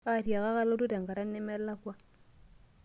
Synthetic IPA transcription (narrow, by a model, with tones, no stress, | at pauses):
a˦˨ɾja˨ka˦ka˦lo˦tu˦ta˨ŋɡa˨ɾa˦nːɛ˦mɛ˦la˦kwa˦